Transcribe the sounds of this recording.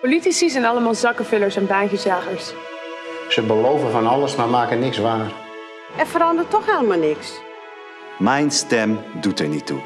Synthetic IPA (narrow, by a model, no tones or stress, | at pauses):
politisis̬ɛnɑləmaːlˠzɑkəvɪləɹsɛnbɛjnɣəsaːɣəɹs | səbəlowvəvɔnɑləsnamaːkənɪksʋaːr | ɛɹfəɾɑndərtɔχeləmaːlˠnɪks | mɛjnstɛmdutəɹnitːṵ